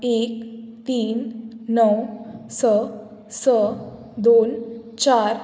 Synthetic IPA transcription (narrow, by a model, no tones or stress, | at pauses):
ekt̪iːnːəwsə | sə | d̪ont͡ɕaɾ